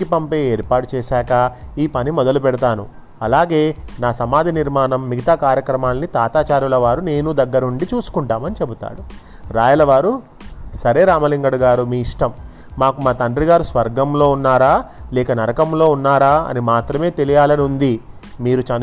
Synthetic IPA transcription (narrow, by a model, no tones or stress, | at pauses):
kipɐmpeːeːɾpaːʈut͡ʃɛːʃaːkɐiːpɐnimɔd̪ɐlupɛɽit̪aːnu | ɐlaːɡe̞ːnaːsɐmaːd̪ʱiniɾmaːnɐmːiɡɐt̪aːkaːɾjɐkɾɐmaːlnit̪aːt̪aːt͡ʃaːɾjulɐʋaːɾune̞ːnud̪ɐɡːɐɾɐuɳɖit͡ʃuːsu̥kuɳʈaːmɐnit͡ʃe̞but̪a̰ːɽu | ɾaːjɐlɐʋaːɾu | sɐɾe̞ːɾaːmɐliŋɡɐɽuɡaːɾumiːiʂʈɐmː | aːkumaːt̪ɐɳɖɾiɡaːɾusʋɐɾɡɐmlo̞ːunːaːɾaːlɛːkɐnɐɾɐkɐmlo̞ːunːaːɾaːɐ̰nimaːt̪ɾɐme̞ːt̪elijaːlɐnund̪i | miːɾut͡ʃɐn